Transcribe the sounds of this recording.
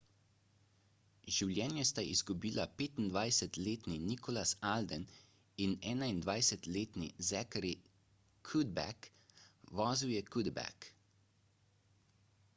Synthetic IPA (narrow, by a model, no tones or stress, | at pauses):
ʒiwlʲjɛːnjɛst̪aʔḭzɡubiːlapeːt̪ind̪ʋajsɛt̪leːt̪ninikɔlasald̪ɛn | inɛːnaind̪ʋajsɛt̪leːt̪nizɛkɾi | kʰud̪bɛ̰k | ʋɔːziwjɛkud̪bɛ̰k